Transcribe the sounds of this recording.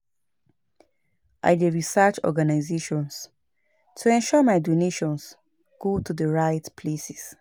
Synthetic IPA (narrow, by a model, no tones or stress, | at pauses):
ʔa̰ɪdəɹisɜt͡ʃɔ̰ɡanaɪzeʃɔ̃ns | tʰuɛ̃nʃɔmaɪdoneʃɔ̃ns | ɡ̥otʰudəɹaɪtpʰlesis